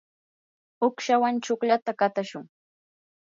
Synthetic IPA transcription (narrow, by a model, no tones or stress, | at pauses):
ʊkʃawant͡ʃʊkʎat̪akat̪aʃʊŋ